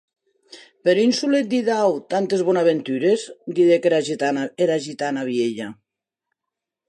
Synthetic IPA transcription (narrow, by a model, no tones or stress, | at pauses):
peɾinsulet̪̚d̪iðawt̪ant̪ezβonaβent̪yɾezd̪iðekeaeɾaʒit̪anaβjeʎa